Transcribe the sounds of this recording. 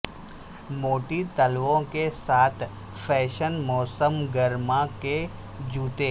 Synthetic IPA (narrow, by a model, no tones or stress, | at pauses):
moːʈit̪əlʋõkesaːt̪ʰ | fʰɛːʃənmɔːsəmɡəɾmake | d͡ʒuːt̪eː